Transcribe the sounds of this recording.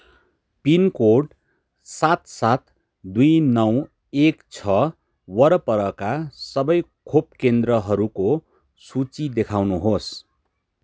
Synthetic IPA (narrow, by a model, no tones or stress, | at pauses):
pinkoɖ | sat̪sat̪ | d̪ujnʌw | ekt͡sʰʌ | wʌɾʌpʌɾʌkasʌbʌjkʰopkend̪rʌɦʌɾuko | sut͡sid̪ekʰawnuɦos